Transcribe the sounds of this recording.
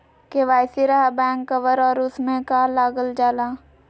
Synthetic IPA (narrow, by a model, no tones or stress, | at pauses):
keʋaːjsiɾɐɦabɛ̃ːŋkːɐʋəɾɔːɾʊsmẽkaːlaːɡəld͡ʒaːlaː